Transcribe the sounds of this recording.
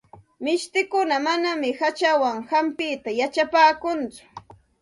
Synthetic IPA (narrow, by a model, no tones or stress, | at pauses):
mɪʃt̪ɪkʊnamanamɪhat͡ʃawaŋhampɪt̪ajat͡ʃapaːkʊnt͡sʊ̥